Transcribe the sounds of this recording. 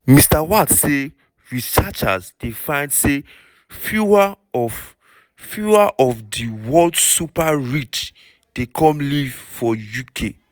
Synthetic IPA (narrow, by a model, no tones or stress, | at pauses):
mistawatse | ɹisat͡ʃa̰zd̥efãɪ̃ndse | fjua | ɔ | fjuaʔɔfdiwɔldsupaɹit͡ʃ | d̥ekʰɔ̃mlivfɔjukʰe